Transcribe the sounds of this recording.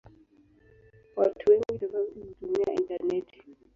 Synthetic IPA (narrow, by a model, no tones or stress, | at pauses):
watʰuweŋɡitɔzautumia̰ḭntanɛtʰi̥